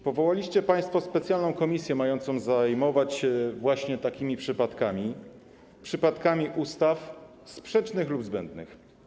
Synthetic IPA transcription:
pɔvɔwalʲiɕt͡ɕɛpaj̃st̪fɔspɛt̪sʲjalnɔ̃w̃kɔmʲisʲjɛmajɔnt̪sɔ̃w̃zajmɔvat͡ɕɛvwaɕɲɛt̪akʲimʲipʂɘpat̪kamʲi | pʂɘpat̪kamʲiʔust̪af | spʂɛt͡ʂnɘxlubzbɛnd̪nɘ̰x

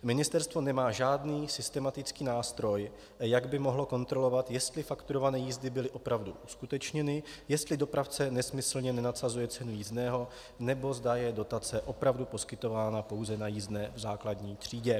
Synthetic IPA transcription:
mɪnɪst̪ɛɾst̪vo̞nɛmaːʒaːdniːsɪst̪ɛmat̪ɪt͡skiːnaːst̪ɾo̞j | jaɡbɪmoɦlo̞ko̞nt̪ɾo̞lo̞vat̪jɛst̪lɪfakt̪uɾo̞vanɛːjiːzdɪbɪlɪʔo̞pɾavduʔuskut̪ɛt͡ʃɲɛnɪjɛst̪lɪdo̞pɾaft͡sɛnɛsmɪsl̩ɲɛnɛnat̪sazujɛt͡sɛnujizdnɛːɦo̞ | nɛbo̞zdajɛdo̞t̪at͡sɛʔo̞pɾavdupo̞skɪt̪o̞vaːnapo̞wzɛnajiːzdnɛːvzaːkladɲiːt̪r̝̥iːɟɛ

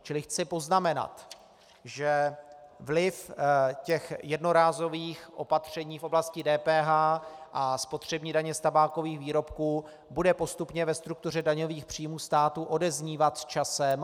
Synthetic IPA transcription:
t͡ʃɪlɪxt͡sɪpo̞znamɛna̰t̪ | ʒɛ | vlɪfcɛxjɛdno̞ɾaːzo̞viːxʔo̞pat̪r̝̥ɛɲiːfʔo̞blascɪdɛːpɛːɦaːʔaspo̞t̪r̝̥ɛbɲiːdaɲɛst̪abaːko̞viːxviːɾo̞pkuː | budɛpo̞st̪upɲɛvɛst̪ɾuk̚t̪ur̝ɛdaɲo̞viːxpr̝̥iːmuːst̪aːt̪uʔo̞dɛzɲiːvat̪st͡ʃasɛm

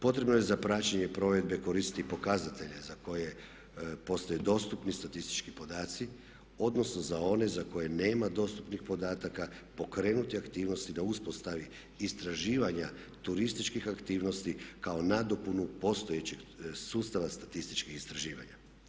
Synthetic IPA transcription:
po̞t̪ɾe̞bno̞jezapɾat͡ʃeɲepɾo̞ʋe̞d̪be̞ko̞ɾist̪it̪ipo̞kazat̪e̞ʎezako̞je | po̞st̪ojed̪o̞st̪upnist̪at̪ist̪i̥t͡ʃkipo̞d̪aːt̪si | o̞d̪no̞sno̞zao̞ne̞zako̞je̞ne̞ːmad̪o̞st̪upnixpo̞d̪aːt̪akapo̞kɾeːnut̪iakt̪iːʋno̞st̪id̪auspo̞st̪aʋi | ist̪ɾaʒiːʋaɲa | t̪uɾist̪it͡ʃkixakt̪iːʋno̞st̪ikao̞nad̪o̞punupo̞st̪ojet͡ɕeɡsuːst̪aʋast̪at̪ist̪i̥t͡ʃkixist̪ɾaʒiːʋa̰ɲa

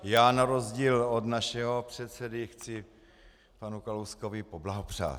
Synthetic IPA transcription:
jaːnaɾo̞zɟiːlod̪naʃɛɦopr̥ɛt̪sɛdɪxt͡sɪ | panukalowskovɪpoblaɦopr̝̥a̰ːt

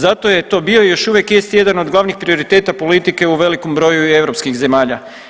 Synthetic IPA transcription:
zat̪o̞je̞t̪o̞ːbiojo̞ʃuʋje̞kjest̪ije̞d̪ano̞d̪ɡlˠaʋnixpɾio̞ɾit̪e̞ːt̪apo̞lit̪ike̞uʋe̞liko̞mbɾo̞jue̞ʋɾo̞pskixze̞maːʎa

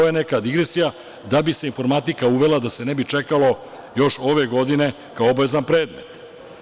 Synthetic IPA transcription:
ojenekad̪iɡɾe̞sija | d̪abise̞info̞ɾmat̪ikauʋe̞lad̪ase̞nɛbit͡ʃekalo̞ | jo̞ʃo̞ʋe̞ɡo̞d̪ine̞ | kaoobaʋe̞zanpɾe̞ːd̪me̞̰t̪

